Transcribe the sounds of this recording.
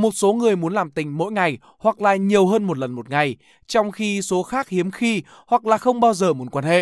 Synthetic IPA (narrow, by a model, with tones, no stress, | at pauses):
mo˨˩t̚so˨˦ŋɨ˨˩əjmu˨˦ənlaː˨˩mt̪ï˨˩ŋ̟mo̰˧˥jŋa˨˩j | hwa˨˩k̚la̰ː˨˩ɲi˨˩əwɦəː˧nmo˨˩t̚lə˨˩nmo˨˩t̚ŋa˨˩j | t͡ɕɔ˧wŋ͡mxi˧so˨˦xaː˦˥k̚hi˨˦əmxi˧ | hwa˨˩k̚laː˨˩xə˧wŋ͡mɓaː˧wzəː˨˩mu˨˦ənkwaː˧˩nhḛ˧˨